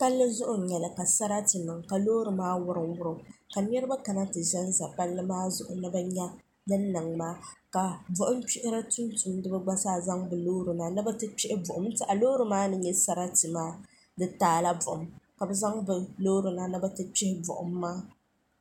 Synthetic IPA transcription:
pa˦lːɨ˦zʊ˦ʔʊ˨ɲɛ˨lɨ˨ka˨sa˦ɾa˦tɨ˨mɨ˨ŋka˨loː˦ɾɨ˨maː˦wʊ˦ɾɨ˨ŋwʊ˦ɾɨ˦ka˨ɲɛ˦ɾɨ˦ba˦ka˨na˦tɨ˨ʒɛ˦n˦za˨pa˦lːɨ˦maː˦zʊ˦˨ʔʊ̰˨nɨ˦ba˦ɲa˦ | dɨ˦n˦nɨ˨ŋmaː˦ka˨bʊ˨ʔʊ˦m˦t͡ʃi˦ʔɪ˦ɾa˦tʊ˦ntʊ˨mdɨ˦ba˦ɡ͡ba˦saː˦˨za˦ŋbɨ˨loː˦ɾɨ˨na˨nɨ˦ba˦tɨ˦t͡ʃɪ˦ʔɪ˦bʊ˨ʔʊ˨˦mtɨ˦ʔa˨loː˦ɾɨ˨maː˦nɨ˦ɲɛ˦sa˦ɾa˦tɨ˨maː˦ | dɨ˦taː˦la˦bʊ˨ʔʊ˨mka˨bɨ˨za˦ŋbɨ˨loː˦ɾɨ˨na˦nɨ˦bɛ˦tɨ˦t͡ʃɪ˦hɪ˦bʊ̰˨ʔʊ̰˨˦mː˦aː˦

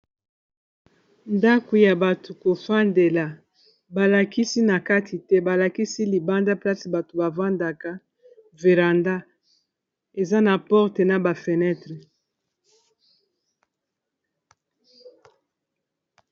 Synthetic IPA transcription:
nda˦ko˨ja˨ba˨tu˨ko˨fa˦nde˨la˨ | ba˨la˨ki˦si˦na˨ka˦tʰi˨tɛ˦ba˨la˨ki˦si˦li˨ba˦nda˦pla˦si˨ba˨to˨ba˨vwa˦nda˨ka˦ | ve˨ʁa˨nda˦ | e˨za˦na˨pɔ˦ʁte˨na˨ba˨fe˨nɛ˦tʁe˨

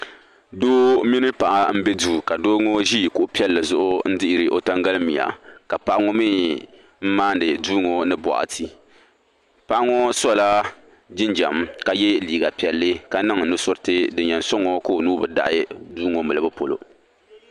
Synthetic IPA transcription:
doː˦mi˦nɨ˦pa˨ʔa˨m̩˦bɛ˦duː˦˨ka˨doː˦ŋo˦ʒi˦˨kʊ˦ʔʊ˦pi˦ɛ˦lːɨ˨zʊ˦ʔʊ˦n̩˦dɪ˦ʔɪ˦˨ɾɨ˨ʔo˦ta˦ŋɡa˦lɨ˦mi˨a̰˨ka˨pa˦ʔa˦ŋo˦mi˦ | m̩˦maː˦n˨dɨ˨duː˦ŋo˨nɨ˦bɔ̰˨ʔa̰˨tʰi˨ | pa˦ʔa˦ŋo˦sɔ˦˨la˦ | d͡ʒɪ˦nd͡ʒa˨m˦ka˨jɛ˦liː˨ɡa˨pi˨ɛ˨lːɨ˦ka˦nɨ˦ŋ˨nʊ˦sʊ˦ɾtɨ˦dɨ˨ɲɛ˨n̩˦sɔ˦ŋo˦ko˦˨o˨nuː˦bɨ˨da̰˦ʔɪ˦duː˦ŋo˨mɨ˨lɨ˨bɨ˦po˨lo̰˨

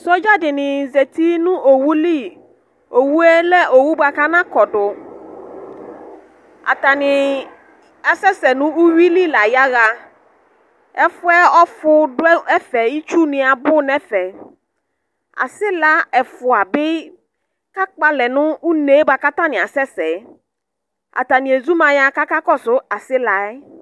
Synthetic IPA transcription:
sɔ˦d͡ʒa˦dɪ˨nɪ̃˨ze˨t̪i˦nʊ̃˦ʔo˨wu˦li˦˨ | o˨wu˦ɛ˦lɛ˦ʔo˨wu˦ba˨ka˦nã˦kɔ˨dʊ˨ | a̰˨t̪a˨nɪ̃˨ | a˨sɛ˦sɛ˨nʊ̃˦u˦ɥi˦li˦la˨ja˦ɣa˨ | ɛ˦fʊ˦ɛ˦ɔ˦fʊ˦dʊ˦ɛ˦ɛ˦fɛ˨ji˦t͡ʃu˦nɪ̃˨a˨bʊ˦nɛ˦fɛ˨ | a̰˨sɪ˦la˦ɛ˨fʊ˨a˨bɪ˦ | ka˦k͡pa˦lɛ˨nʊ̃˦u˦ne˨˦ba˨ka˦t̪a˦nɪ̃˨a˨sɛ˦sɛ˨˦ | a̰˨t̪a˨nɪ̃˨e˨zu˦mã˨ja˨ka˦ka˦kɔ˦sʊ˦a˨sɪ˦la˨ɛ˦

